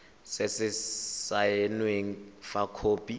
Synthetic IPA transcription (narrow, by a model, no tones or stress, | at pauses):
sɪsɪsajenweŋ̩fakʰoːpʼi